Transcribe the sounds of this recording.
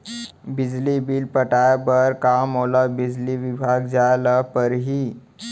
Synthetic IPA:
bɪd͡ʒlibiːlpəʈabəɾkaːmɦoːlabɪd͡ʑliʋibʱaːɡd͡ʒalapəɾɦiː

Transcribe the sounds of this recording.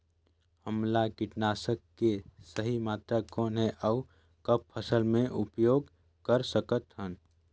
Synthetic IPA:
həmlakɪʈnaːsəkːesəɦimaːt̪ɾakoːnɦɛʔəʊ | kəp̚pʰəsəlmẽʔʊpjoːɡ | kəɾsəkət̪ɦən

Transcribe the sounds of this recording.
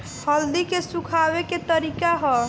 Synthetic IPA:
hʰəld̪ikesukʰabeket̪əɾikaɦɔ

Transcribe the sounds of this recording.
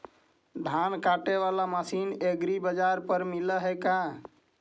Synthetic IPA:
d̪ʱankaʈeʋalamasineɡɾibəd͡ʒaɾpəɾmiləɦɛka

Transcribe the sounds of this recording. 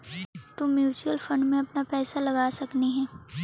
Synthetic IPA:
t̪omjuːt͡ʃuəlfɐ̃ɳɖmẽɐpnapɛːsalɐɡaːsɐkniɦɛ̃ː

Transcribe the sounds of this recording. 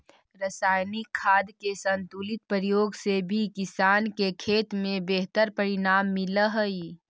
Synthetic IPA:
ɾəsaːjnikʰːaːd̪kesənt̪ulit̪̚pəɾijoɡsebʱikisaːnkekʰeːt̪mẽbeɦt̪əɾpəɾinaːmːiləɦəi

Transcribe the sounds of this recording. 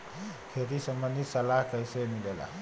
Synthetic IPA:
kʰet̪isəmənd̪ʱisəlaɦkəjsemilela̰

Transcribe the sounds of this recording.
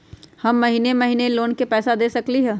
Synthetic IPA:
hɐmːɐɦiːnemɐɦiːneloːnkepɛːsad̪eːsɐkliɦɛː

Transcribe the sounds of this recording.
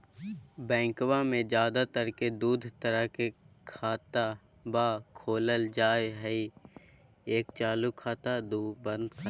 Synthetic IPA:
bɛ̃ːŋkwamẽd͡ʒjaːd̪at̪əɾked̪uːd̪ʱt̪əɾəɦkekʰaːt̪a | baːkʰoːləld͡ʒaːjɦɛi | eːkt͡ʃaːlukʰaːt̪ad̪uːbə̃nd̪kʰ

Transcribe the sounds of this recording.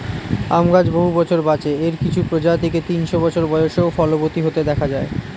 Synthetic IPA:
amɡad͡ʑboɦubɔt͡ɕʰoɾbat͡ɕeeɾkit͡ɕʰupɾod͡ʑat̪ʰeket̪inʃobɔt͡ɕʰoɾbɔjoʃeofɔlobot̪iɦot̪ed̪ɛkʰad͡ʑae

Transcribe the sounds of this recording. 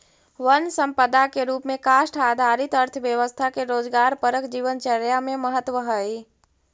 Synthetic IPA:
ʋənsə̃mpəd̪akeɾuːpmẽkaːʃʈaːd̪ʱaɾit̪əɾt̪ʰʋjəʋəst̪ʰakeɾoːd͡ʒɡaːɾpəɾəkd͡ʒiːʋənt͡ʃəɾjamẽməɦət̪ʋəɦəi

